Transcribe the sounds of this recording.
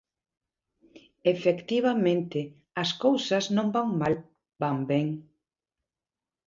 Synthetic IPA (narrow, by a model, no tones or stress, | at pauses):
efekt̪iβ̞amẽnt̪ɪ | ɐskowsɐznõmbaŋmal | bambeŋ